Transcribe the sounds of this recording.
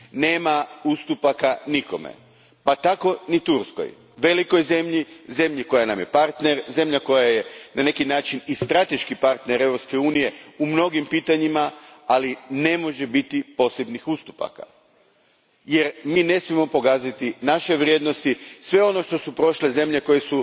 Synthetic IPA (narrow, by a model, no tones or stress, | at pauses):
ne̞ːmaust̪upakaniko̞mḛ | pat̪ako̞nit̪uɾsko̰j | ʋe̞liko̞jze̞mʎize̞mʎiko̞janamjepaɾt̪ne̞ɾze̞mʎako̞jaje̞nane̞kinaːt͡ʃinist̪ɾat̪e̞ʃkipaɾt̪neɾe̞ʋɾopske̞uːnije̞umno̞ɡimpiːt̪aɲimaaline̞mo̞ʒe̞bit̪ipo̞se̞bnixust̪u̥pa̰ka̰ | je̞ɾmiːne̞smiemo̞po̞kaːzat̪inaʃe̞ʋɾje̞ːd̪no̞st̪isʋe̞o̞no̞ʃt̪o̞supɾo̞ʃle̞ze̞mʎe̞ko̞je̞su